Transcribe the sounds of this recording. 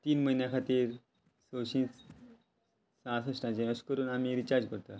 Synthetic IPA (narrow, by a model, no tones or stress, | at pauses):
t̪iːnməinjãkʰat̪iːɾ | soɕĩːt͡s | sãs̬əsʈãt͡ɕẽəskəɾuːnamiɾit͡ɕaɾd͡ʑkəɾt̪a